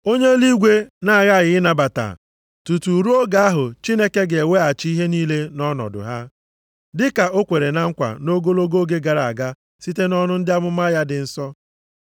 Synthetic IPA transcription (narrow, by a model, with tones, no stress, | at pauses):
o˦ɲe˦li˦ɡʷe˦na˦a˨ɣa˦˨ɣɪ˨ɪ˦na˨ba˨ta̰˨ | tu˨tu˨ɾu˦o˦ɡa˨a˦ɦʊ˨t͡ʃi˦ne˦ke˦ɡe˨we˦a˨t͡ʃi˦ɦe˦niː˦le˦nɔ˦nɔ̰˨dʊ̰˨ɦa˦ | dɪ˦ka˨ʔo˦kʷe˨ɾe˨na˦ŋ̩˦kʷa̰˨no˦ɡo˦lo˦ɡo˦ɡe˦ɡa˨ɾa˨a˨ɡa˦ | si˦te˦nɔ˦nʊ˦n̩˦dɪ˦a˦mʊ˦ma˦ja˦dɪ˨n̩˦sɔ˦